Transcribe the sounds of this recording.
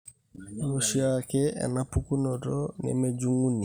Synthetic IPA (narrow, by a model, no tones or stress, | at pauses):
luʃiakɛʔɛ̰napukunɔtɔnɛ̰med͡ʒuŋɡuni